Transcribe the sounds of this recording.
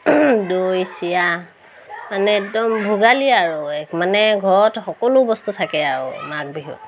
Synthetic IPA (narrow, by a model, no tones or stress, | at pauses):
dojsija | manɛɛk̚dɔmbʱuɡaliaɹʊɛkmanɛɡʱɔɹɔtxɔkɔlʊbɔstutʰakɛaɹʊ̰mak̚biɦṵ